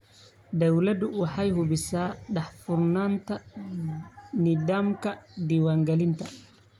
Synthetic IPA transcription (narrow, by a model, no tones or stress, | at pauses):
d̪ɐwlɐd̪ʊwɑħɑjhʊbɪsaːɖɑħfʊrnaːnt̪ʰɐ | nɪdaːmkʰɐd̪iːwaːŋɡɐlɪnt̪ʰɐ